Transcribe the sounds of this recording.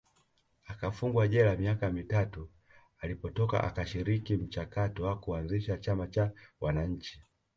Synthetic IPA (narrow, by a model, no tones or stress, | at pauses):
akafuŋɡwaʄɛlamiakamitatu | alipɔtɔka̰ʔa̰kaʃiɾikim̩t͡ʃakatɔwakuanziʃat͡ʃamat͡ʃawʔanaɲ̩t͡ʃi